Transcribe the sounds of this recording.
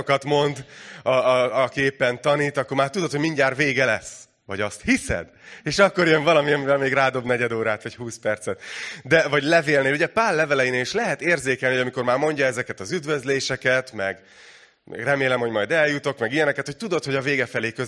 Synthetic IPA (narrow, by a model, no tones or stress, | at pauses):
okɒt̪mo̞nd̪ɒkeːpːɛnt̪ɒniːt̪ɒkːormaːrt̪ud̪o̞t̪homiɲɟaːrveːɡɛlɛsː | vɒɟɒst̪hisɛ̰d̪ | eːʃɒkːo̞rjøɱvɒlɒmiɒmivɛlmeːɡraːd̪o̞bnɛɟɛd̪oːɾaːt̪ʋɒchuːspɛrt̪sɛt̪d̪ɛvɒɟlɛveːlneːluɟɛpaːrlɛvɛlɛjineːliʃlɛɦɛt̪eːrzeːkɛlniɦojɒmiko̞rmaːrmo̞ɲɟɒɛzɛkɛt̪ɒzyd̪vø̞zleːʃɛkɛt̪mɛɡ | rɛmeːlɛmhoɟmɒjd̪ɛljut̪o̞kmɛɡijɛnɛkɛt̪ho̞c̚t̪ud̪o̞t̪ho̞ɟɒveːɡɛfɛleːkø